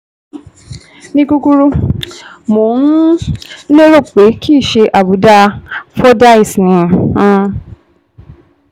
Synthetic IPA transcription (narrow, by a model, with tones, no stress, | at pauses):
nĩ˧˦ɡu˧ɡu˦ɾu˦ | mo˨˦nu˦le˦ɾo˦˨k͡pe˨˦kʰi˦˨ʃe˧ʔa˨bu˨˦da˧fɔ˦da˦i˨snĩ˨ã˦